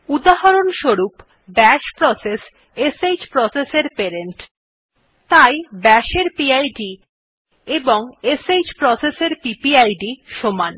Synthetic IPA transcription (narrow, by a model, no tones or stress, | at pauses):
ud̪aɦaɾonʃoɾup | bɛʃpɾɔses | esed͡ʑpɾɔseseɾpeɾeɳʈ | t̪ajbɛʃeɾpiajɖi | eboŋesejd͡ʑpɾɔseseɾpipiajɖiʃoman